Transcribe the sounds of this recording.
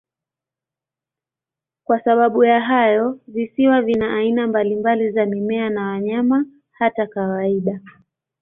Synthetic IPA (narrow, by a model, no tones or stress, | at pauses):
kwasaɓaɓujaɦajɔvisiwavinaʔainambalimbalizamimɛanawaɲama | hatakawaiɗa